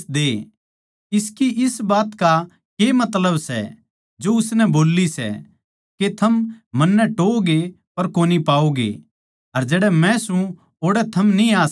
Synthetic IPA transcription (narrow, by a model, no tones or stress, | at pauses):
d̪eː | ɪskiʔɪsbaːt̪ka | kemɐt̪ləbsɛ̰ | d͡ʒoʊsnɛboːlːisɛ̰ | ket̪ʰɐmmɐnːɛʈoːɡe | pɐɾkoːnipaːoɡḛ | ɐɾd͡ʒɛːɽɛmɛ̃sũ | oːɽɛt̪ʰɐmniaːs